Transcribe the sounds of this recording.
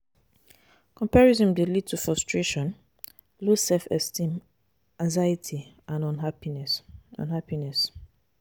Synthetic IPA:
kɔ̃mpaɹizɔ̃mdilid̚tʰufɹɔstɹeʃɔ̃n | losɛlfɛ̰stĩm | ãŋzajitʰiʔãnɔ̃nɦainsɔ̰̃nhapinɛs

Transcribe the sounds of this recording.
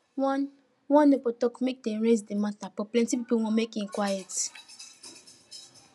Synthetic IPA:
wɔ̃n | wɔ̃nːepɔtɔkmek̚dɛ̃mɹezdematapɔplɛ̃ntipipowõmekĩnkwajɛt

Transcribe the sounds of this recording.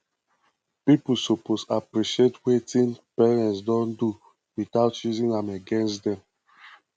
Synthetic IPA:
pipusoposapɹiʃietwetĩnpɛɹɛ̃ns̬dɔ̃ndu | witaʊtjuzĩnãmeɡɛ̃nstdɛ̃m

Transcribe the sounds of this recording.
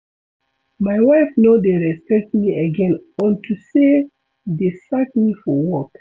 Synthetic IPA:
majwaɪfnodeɹɛspɛk̚tmiəɡɛ̃nɔ̃ntʰuse | desak̚mifɔwɔk

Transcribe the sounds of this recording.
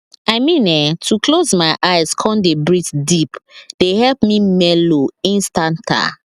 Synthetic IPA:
aɪmĩnɛtʰukʰlozmaɪʔaɪzkʰɔ̃ndebɹitdipd̥ehɛlpmimɛloĩnstãntʰa̰

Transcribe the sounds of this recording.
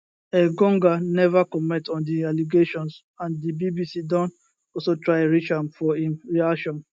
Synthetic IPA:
eɡɔ̃ŋɡanɛvakɔmɛ̃tɔ̃ndialiɡeʃɔ̃ns | ãndibibisidɔ̃nt | ɔsotɹaɪɹit͡ʃãmfɔĩmɹiaʃɔ̃n

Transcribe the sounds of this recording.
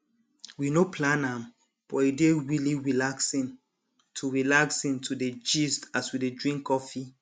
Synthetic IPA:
winopʰlãnãm | b̥ɔedeɹiliɹilaksĩn | tʰuɹilaksĩntʰuded͡ʒistaswidedɹĩŋkːɔfi

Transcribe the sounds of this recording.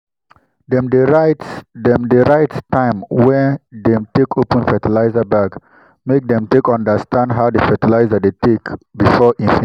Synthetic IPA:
dɛ̃mdəɹatdɛ̃mdəɹaɪttãɪ̃mwɛ̃ndɛ̃mtekʰopə̃nfɛtilaɪzəbak | mek̚dɛ̃mtekãndəstʰãndɦawdəfɛtilaɪzədetekbifɔʔĩnfĩ

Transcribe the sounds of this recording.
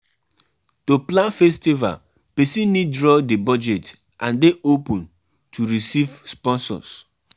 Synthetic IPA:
toplãnfɛstiva̰l | pesinidɹɔdebɔd͡ʒet | ʔãndeʔopũn | tʰuɾisivspɔ̃nsɔ̰s

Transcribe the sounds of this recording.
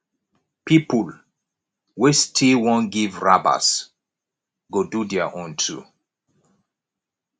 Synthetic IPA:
pipul | westʰiwɔ̃nɡivɹaba̰s | ɡodudɛaʔɔ̃ntʰṵ

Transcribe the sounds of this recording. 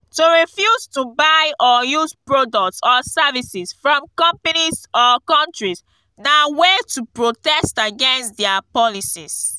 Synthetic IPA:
tuɹifjuztubaɪʔɔjuzpɹodɔk̚tsɔsɛvisisfɹɔ̃mkɔ̃mpanizɔkɔ̃ntɹis | nawetupɹotɛstaɡɛ̃nstdɛapɔlisḭs

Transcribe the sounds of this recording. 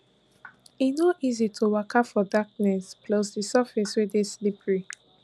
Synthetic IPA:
inoʔizitʰowakʰapfɔdak̚nɛspʰlɔsdisafɛswideslipɹi

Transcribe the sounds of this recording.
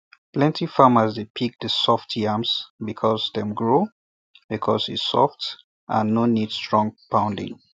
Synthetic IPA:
plɛ̃ntifaməzdepʰik̚dəsɔftʰiãmsbikʰɔzðɛ̃mɡɹo | b̥ikʰɔ̰sḭsɔ̰ft | ʔã̰nːonid̥stɹɔ̃ŋpʰãʊ̃ndɪ̰̃ŋ

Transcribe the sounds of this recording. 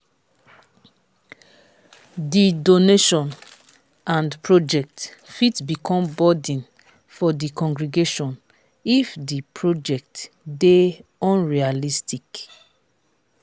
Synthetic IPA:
didoneʃɔ̃n | ãndpʰɹod͡ʒɛk̚tfitbikʰɔ̃mbɔdĩn | fɔdikɔ̃ŋɡɹiɡeʃɔ̃n | ifdipʰɹod͡ʒɛk̚t | deɔ̃nɹialistik

